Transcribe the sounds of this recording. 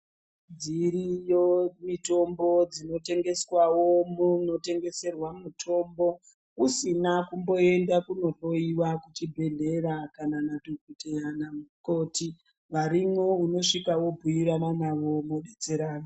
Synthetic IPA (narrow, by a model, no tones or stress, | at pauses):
d͡ziɾijomito̞mbo̞d͡zino̞te̞ŋɡe̞swawomuno̞te̞ŋɡe̞se̞rwamutʰo̞mbo̞ | usinakumbo̞e̞ndakunoro̞iwakut͡ʃibʱe̞ɮe̞rakananatokitejanauko̞ti | ʋaɾimouno̞ʂikawo̞bʱujiɾananaʋo̞moɗet͡se̞ɾaːna